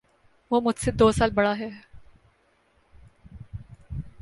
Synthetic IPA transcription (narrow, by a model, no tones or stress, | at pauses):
ʋoːmʊd͡ʒʱsed̪oːsaːlbɐɽaɦɛ